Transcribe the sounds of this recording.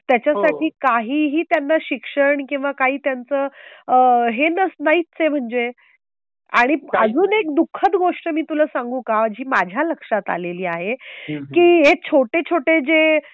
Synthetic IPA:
t̪jat͡ɕjasaʈʰiːkaɦiːɦiːt̪janːaɕikʂəɳkĩw̃ʋakaɦiːt̪jant͡səː | ɦenəsnaitt͡sem̤əɳd͡ʑe | a̰ɽ̃iəd͡zuːnekd̪ukʰːət̪ɡoʂʈəmiːt̪uləːsaŋɡũːkad͡ʑiːmad͡ʑʱjaləkʂat̪a̰leliːaɦekiːɦet͡ɕʰoʈet͡ɕʰoʈed͡ze

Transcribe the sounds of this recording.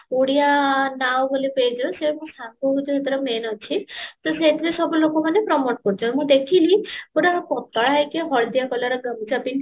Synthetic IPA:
oɽijanawbolepejd͡ʒɔsemũsʰaŋkɔɦud͡ʒɔɦet̪iɾemenɔt͡ʃʰit̪ɔset̪iɾesɔbulokɔmanepɾɔmoʈ̚kɔɾd͡ʒʰɔmũd̪ekʰilikuɾapɔt̪ɔɭajkeɦɔɽd̪jakɔlaɾɔɡamit͡ʃʰuapin

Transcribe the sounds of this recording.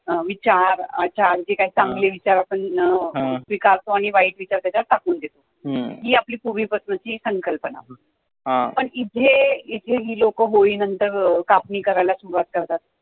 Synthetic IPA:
ʋit͡ɕaɾat͡ɕaɾd͡ʑekaɦiːt͡sãŋɡleʋit͡ɕaɾapəɳ | sʋikaɾt̪oaɽ̃iʋaiʈʋit͡ɕaɾt̪jat͡ɕat̪akuːnd̪et̪o | ɦiːapliːpuɾʋiːpɾəsnət͡ɕiːsəŋkəlpəna̰ | ɦapəɳit̪ʰeit̪ʰeɦiːlokəɦoiːnənt̪əɾkapniːkəɾajlasuɾʋat̪̚kəɾt̪at̪̚

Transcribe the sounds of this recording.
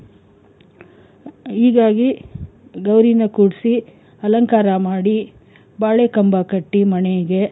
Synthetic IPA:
iːɡaːɡi | ɡɐwɾinɐkuːɽsi | ɐlɐŋkaːɾɐmaːɽi | baːɭekɐmbakɐʈːimɐɳɛjiɡe̞

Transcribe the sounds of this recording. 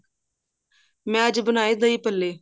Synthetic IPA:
mɛ̃ːəd͡ʒbənaːeːd̪əiːpəlːeː

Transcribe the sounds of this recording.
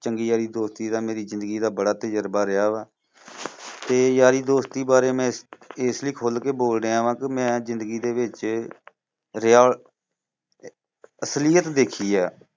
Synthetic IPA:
t͡ʃəŋɡiːjaːɾiːd̪oːst̪iːd̪aːmeːɾiːzɪ̃nd̪ɡiːd̪aːbəɽaːt̪əd͡ʒəɾbaːɾɪjaːʋaː | t̪eːjaːɾiːd̪oːst̪iːbaːɾeːmɛ̃ːɪsliːkʰoːlkeːboːlɖeːaːʋãːkɪmɛ̃ːzɪ̃nd̪əɡiːd̪eːʋɪt͡ʃ | ɾɪaː | əslɪjət̪d̪eːkʰiːɛː

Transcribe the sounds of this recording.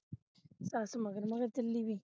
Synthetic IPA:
sasumaɡəɾmaɣəɾtəlːibi

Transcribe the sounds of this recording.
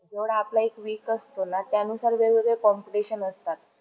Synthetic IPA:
d͡zeʋəɽaplaekʋikəst̪ʰonat̪janusaɾʋeɾʋəd̪ekɔmpileɕənəst̪at̪̚

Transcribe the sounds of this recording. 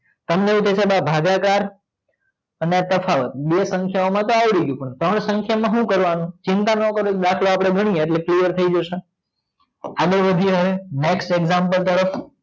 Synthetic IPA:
t̪əmneũt̪ʰet͡ʃʰebabʱaɡakaɾ | əneat̪əfʰaʋət̪̚ɓesə̃ŋkʰjaomãt̪oaʋɽiɡjũpəɳt̪ɾəɳsəŋkʰjamãɦũkəɾʋanũt͡ʃɪnt̪anəkəɾoɗ̪akʰloapɽ̃eɡʱəɽ̃ieʈleklijəɾt̪ʰəid͡ʒəʃe | adəɾʋəd̪ʱiɦəeneksʈeɡzampəlt̪əɾəf

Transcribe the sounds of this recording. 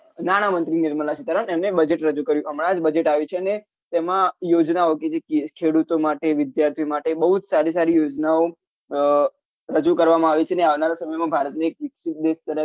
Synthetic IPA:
naɽ̃amənt̪ɾinɪɾməlat͡ʃit̪əɾəɳemnebəd͡ʒeʈɾəd͡ʒukəɾjũəmɽ̃ãad͡ʒbəd͡ʒeʈaʋit͡ʃʰeəne | t̪emãjod͡ʒnaoked͡ʒekkʰeɽut̪omaʈeʋɪd̪jaɾt̪ʰiomaʈebəɦud͡ʒsaɾisaɾijod͡ʒnao | ɾəd͡ʒukəɾʋamãaʋit͡ʃʰeneaʋnaɾasəməjmãbʱaɾət̪niekʋɪkʃɪt̪̚d̪eʃt̪əɾə

